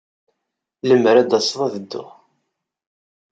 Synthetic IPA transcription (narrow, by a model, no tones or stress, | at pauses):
ləmɾæd̪ɑsˤvˤɑðəd̪ːʊ̰ʁ